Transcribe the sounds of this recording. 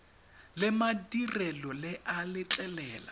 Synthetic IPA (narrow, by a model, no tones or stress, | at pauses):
lɪmadirɛlɔlɪʔalɪt͡ɬʼɛlɛːla̰